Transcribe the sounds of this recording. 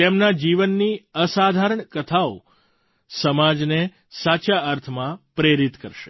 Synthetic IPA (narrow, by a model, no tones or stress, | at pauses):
t̪emnad͡ʒiʋənːiəsad̪ʱaɾəɳkət̪ʰao | səmad͡ʒne | sat͡ʃaəɾt̪ʰmãpɾeɾit̪kəɾʃe̥